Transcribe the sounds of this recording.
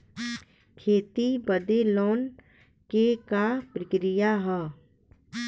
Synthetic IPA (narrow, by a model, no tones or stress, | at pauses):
kʰeːt̪ibəd̪eloːn | kekapɾəkɾɪjaɦɛː